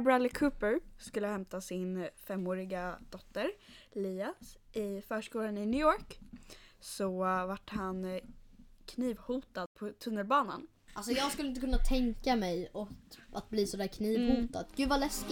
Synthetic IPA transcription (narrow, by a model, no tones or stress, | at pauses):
bɾalːɪkʰʉːpəɾskɵlːəhɛmt̪asɪnfɛmːoːɾɪɡad̪̥ɔt̪ːəɾliːasʔɪfœːʂkuːlanɪnʏɔːɾk | sɔvaʈːhan | kʰniːvhuːt̪ad̪̥pʰɔt̪ʰɵnːəlbɑːna̰n | ʔalsɔjɑːɡskɵləɪnəkɵnːat̪ʰɛŋkamɛjɔʔat̪̚bliːsɔd̪æːɾkʰniːvhuːt̪a̰d̪ɡ̥ʉ̟ːvalɛsk